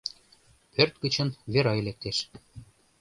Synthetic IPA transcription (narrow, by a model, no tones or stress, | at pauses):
pʰørt̪kə̆t͡ɕə̆nβeɾɑelek̚t̪eʃ